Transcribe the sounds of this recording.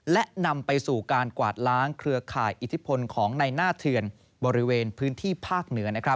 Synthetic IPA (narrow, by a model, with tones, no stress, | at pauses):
lɛ˦˥ʔna˧mpa˧jsuː˨˩kaː˧nkwa̰ː˨˩t̪̚ɾaː˦˥ŋkʰɾɯ˧ɐkʰaː˨˩jʔi˨˩t̪ʰi˦˥pʰo˧nkʰɔː˩˦ŋna˧jnaː˥˩t̪ʰɯ˧ən | bɔː˧ɾi˦˥weː˧npʰɯː˦˥nt̪ʰiː˥˩pʰaː˥˩k̚nɯ˩˦ɐna˦˥kʰɾa˦˥p̚